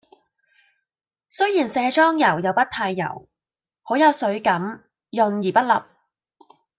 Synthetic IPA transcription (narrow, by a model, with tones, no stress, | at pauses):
sɵ˥ɥjiː˨˩nsɛː˧t͡ʃɔː˥ŋjɐ˨˩wjɐ˨˧wpɐ˥t̪ʰaː˧jːɐ̰˨˩w | ho˨˥wjɐ˨˧wsɵ˨˥ɥkɐ˨˥m | jɵ˧njiː˨˩pɐ˥t̚lɐ˨p̚